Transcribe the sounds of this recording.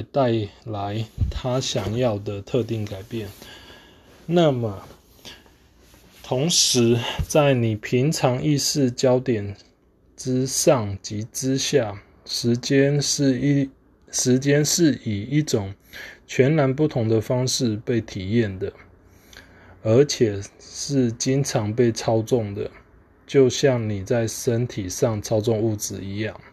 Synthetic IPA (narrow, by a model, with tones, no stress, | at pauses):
t̪a˥˨˩ɪla˨˧˦ɪt̪ʰa˦ɕjɑ˨˩ŋjɑ˥˨ʊd̪ə˨t̪ʰɤ˥˧t̪i˥˩ŋka˨˩ɪpjɛ˥˩n | na˥˨mə˩ | t̪ʰʊ˧˦˥ŋʂɻ̩˧˥t͡sa˥˩ɪni˨˩pʰi˨˦ŋʈ͡ʂʰɑ˧˦ŋi˥˧sɹ̩˥˧t͡ɕjɑ˥ʊt̪jɛ˨˩n | ʈ͡ʂɻ̩˦ʂɑ˥˩ŋt͡ɕi˧˥ʈ͡ʂɻ̩˦ɕja˥˩˧ | ɛ˥˧ | ʂɻ̩˧˦˥t͡ɕjɛ˥nʂɻ̩˥˩i˨˩i˥˩ʈ͡ʂʊ˨˩ŋt͡ɕʰɥɛ˨˦nna˧˦np̬u˥˩t̪ʰʊ˧˥ŋd̪ə˧fɑ˥ŋʂɻ̩˥˧pe˥˩ɪt̪ʰi˨˩jɛ˥˩nd̪ə˩ | ə˧˥t͡ɕʰjɛ˨˩ʂɻ̩˥˩t͡ɕi˦ŋʈ͡ʂʰɑ˧˥ŋpe˥˩ɪt͡sʰɑ˥ʊt͡sʊ˥˩ŋd̪ə˩ | t͡ɕjo˥˧ʊɕjɑ˥˩ŋni˨˩t͡sa˥˩ɪʂə˦nt̪ʰi˨˩ʂɑ˥˨˩ŋʈ͡ʂʰɑ˥ʊt͡sʊ˥˧ŋu˥˩t͡sɹ̩˨i˧˦jɑ˥˩ŋ